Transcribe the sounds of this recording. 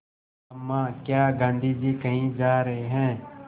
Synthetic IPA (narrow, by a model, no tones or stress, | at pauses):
ɐmːãːkjaːɡãːnd̪ʱiːd͡ʒiːkɐɦĩd͡ʒaːɾəɦeɦɛ̃ː